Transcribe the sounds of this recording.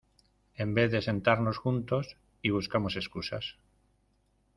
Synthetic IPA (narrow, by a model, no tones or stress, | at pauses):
e̞mbe̞θðe̞se̞nt̪aɾno̞sxunt̪o̞s | iβ̞uskamo̞se̞skusa̰s